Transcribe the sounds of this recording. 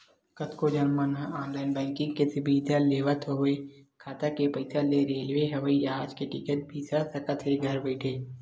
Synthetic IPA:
kət̪ʰkod͡ʒɐnmənɦɔːnlaːɪnbɛ̃ːŋkɪ̃ŋɡkesɪbʱiːd̪aleːʋat̪ʰoɦekʰaːt̪akepɐɪsaleɾeːlʋeɦɛʋəiaːd͡ʒkeʈɪkət̪̚bʱiːsasɐkɐt̪ʰeɡʱɐɾbɛːʈʰeː

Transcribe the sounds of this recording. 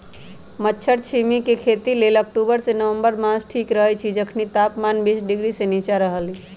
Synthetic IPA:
mətːʃʰəɾt͡ʃʰimikekʰet̪ilelək̚ʈubəɾsenəʋə̃mbəɾmãsʈʰiːkɾəɦɛt͡ʃʰid͡ʒəkʰnit̪aːpmaːnbiːsɖɪɡɾisenit͡ʃaɾəɦəli

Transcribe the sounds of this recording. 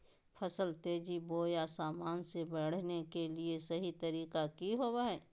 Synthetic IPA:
pʰɐsəlt̪eːd͡ʒiboːjasaːmaːnsebɐɽ̤nekeliesɐɦit̪ɐɾiːkakiɦoːwaɦɛː

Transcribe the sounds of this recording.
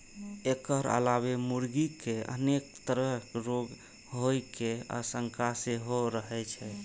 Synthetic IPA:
ekəɾə̰labemuɾɡikeə̰nekt̪əɾəɾoɡ | ɦojkea̰səŋkʰaseɦoɾəɦɛt͡ʃʰɛ

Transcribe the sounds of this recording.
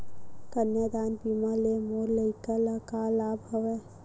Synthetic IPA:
kənjad̪aːnbiːmalemoːɾləɪkalɐkalaːbʱɐʋe

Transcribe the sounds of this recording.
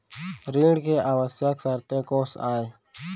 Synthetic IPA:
ɾiːɽkeʔaːʋəsjaksəɾt̪ẽkoːsaːe

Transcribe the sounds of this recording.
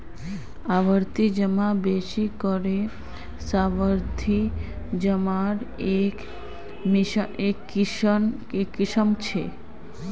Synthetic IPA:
aʋəɾt̪id͡ʑəmabeʃikoɾe | sabəɾt̪ʰi | d͡ʑəmaɾek | miʃekːiʃnkekːiʃəmt͡ɕʰe

